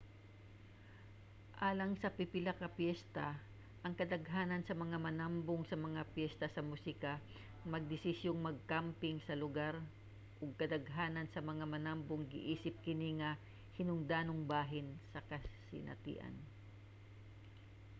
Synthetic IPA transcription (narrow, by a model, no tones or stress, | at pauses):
ʔaːlɐŋsɐpɪpɪlakɐpjɛst̪ɐ | ʔɐŋkɐd̪ɐɡɦaːnɐnsɐmɐŋamɐnamboŋsɐmɐŋapjɛst̪ɐsɐmusikɐ | mɐɡ̚d̪ɪsɪsjoŋmɐɡ̚kampɪŋsɐlʊɡaɾ | ʔʊɡ̚kɐd̪ɐɡɦaːnɐnsɐmɐŋamɐnambʊŋɡɪ̰ʔiːsɪp̚kɪniŋɐ | hɪnʊŋd̪aːnoŋbaːɦɪnsɐkɐsɪ̰nʔɐ̰t̪ḭʔɐ̰n